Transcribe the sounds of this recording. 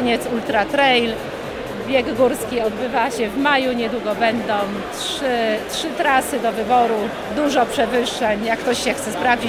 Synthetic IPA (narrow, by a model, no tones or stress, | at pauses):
ɲɛt̪sult̪ɾat̪ɾɛjl | bʲjɛɡːɡuɾskʲiɔd̪bɘvaɕɛvmajuɲɛd̪wuɡɔbɛnd̪ɔ̃w̃tʂɘtʂɘt̪ɾasɘd̪ɔvɘbɔɾu | d̪uʐɔpʂɛvɘʂːɛɲjakːt̪ɔɕɕɛxt̪sɛspɾavd͡ʑi